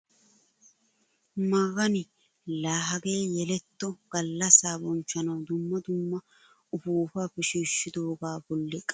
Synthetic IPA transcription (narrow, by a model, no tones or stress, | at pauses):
mɐɣɐnɪ | laːɦɐɡe̞ːjɛlɛt̪ːɔɡ̥ɐlːɐsaːbɔnt͡ʃːɐnɐwd̪ʊmːɐd̪ʊmːɐ | ʊfuːfaːfɛʃiːʃːɪd̪o̞ːɡaːbɔlːɛkʼɐ